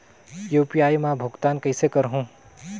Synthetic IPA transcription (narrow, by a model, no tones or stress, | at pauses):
juːpijaːjmãbʱʊɡt̪aːnkəɪsekəɾɦũː